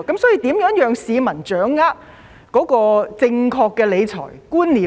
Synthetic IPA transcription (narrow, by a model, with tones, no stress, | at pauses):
kɐ˨˥msɔː˨˥jiː˧t̪iː˨˥mjœː˨˥ŋjœː˨˧ŋsiː˨˧mɐ˨˩nt͡ʃœː˨˥ŋːaː˥t̚ | kɔː˨˥kɔː˧t͡sɪ˧ŋkʰɔː˧kːɛ˧le˨˧jt͡sʰɔ̰ː˨˩jkuː˥nliː˨˩